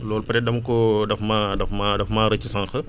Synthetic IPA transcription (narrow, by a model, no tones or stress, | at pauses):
lɔːlpɐɾɛdɐmkɔdɐfmadɐfmadɐfmaːɾɐt͡ʃisãŋxə